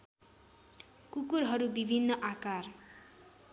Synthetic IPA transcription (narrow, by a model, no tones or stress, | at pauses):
kukuɾɦʌɾubibʱinːʌʔakar